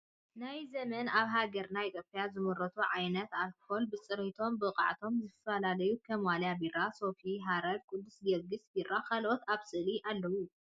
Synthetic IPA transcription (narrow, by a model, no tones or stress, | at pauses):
najzɐmɐnaβɦaɡɐɾnait̪ʰopʰʼːjazɨmɨɾɐt̪ʰuʕajnɐt̪alkholbɨt͡sʼɨɾit̪ʰo̞mbɨqʼa̰ʕt̪ʰo̞mzɨt̪ʰfɐlalɐjukʰɐmwaljabiraso̞fiɦaɾɐdkʼud̪ːusɡɐɡɨsbirakʰalʔot̪aβsʼɨliʔalːɐwu